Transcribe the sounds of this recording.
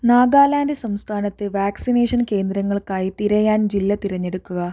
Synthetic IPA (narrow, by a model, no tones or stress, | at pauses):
naːɡaːlaːndɨsɐmst̪ʰaːnɐt̪ːɨʋaːksineːʂɐnke̞ːnd̪ɾɐŋːɐɭkaːjit̪iɾɐjaːnd͡ʑilːɐt̪iɾɐɲːe̞ɽukːuɣɐ